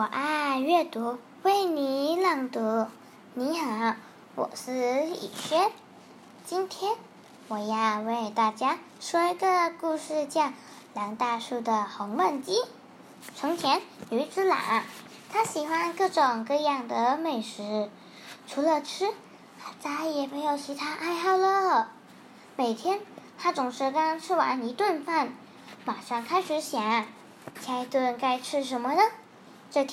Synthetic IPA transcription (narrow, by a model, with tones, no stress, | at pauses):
wɔ˨˩ʔa˥˧ɥɛ˥˩t̪u˧˥ | we˥˩ɪni˧˩lɑ˧˩ŋt̪u˧˥ | ni˧˥xa˧˩˦ | wɔ̰˨˩ʂɹ̩˥˧ḭ˨˩ɕɥɛ˥n | t͡ɕi˥nt̪ʰjɛ˥n | wɔ˨˩jɑ˥˧ʊwe˥˧ɪt̪a˥˩t͡ɕja˥ | ʂwɔ˥i˧˥ɡə˧ku˥˧ʂɻ̩˥˧t͡ɕjɑ˥˩ʊ | lɑ˧˥ŋt̪a˥˧ʂu˥˩d̪ə˩xɤ˧˥ŋwə˥˩nt͡ɕi˥ | ʈ͡ʂʰɤ˧˥ŋt͡ɕʰjɛ˧˥ny˧˥t͡sɹ̩˥la̰˨˩˦ŋ | t̪ʰa˥ɕi˨˩xwa˥nkɤ˥˩ʈ͡ʂʊ˨˩ŋkɤ˥˧jɑ˥˩ŋd̪ə˩me˥˩ɪʂɻ̩˧˥ | ʈ͡ʂʰu˧˥lə˧ʈ͡ʂ̩ʰ˥˩ | t͡sʰa˥jɛ˨˩me˧˥ɪjo˨˩ʊt͡ɕʰi˧˥t̪ʰa˥ʔa˥˧ɪxɑ˥˩ʊlə˧ | me˨˩ɪt̪ʰjɛ˥nt̪ʰa˥t͡sʊ˨˩ŋʂɻ̩˧˥kɑ˥ʈ͡ʂʰɻ̩˥wa̰˧˥ni˧˥t̪wə˥˧nfa˥˩n | ma˨˩ʂɑ˥˩ŋkʰa˥ɪʂɻ̩˧˥ɕjɑ˨˧˥ŋ | t͡ɕʰa˥ɪt̪wə˥˧nka˥˧ɪʈ͡ʂʰɻ̩˥ʂ̬ə˧˥nmə˧nə˧˩ | ʈ͡ʂɤ˥˧˩